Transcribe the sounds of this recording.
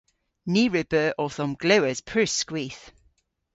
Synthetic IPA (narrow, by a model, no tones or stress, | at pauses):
niːɹɪbəʔɔθɔmɡ̥ləwəz̥pʰɹ̥ʉˑskwiːˑθ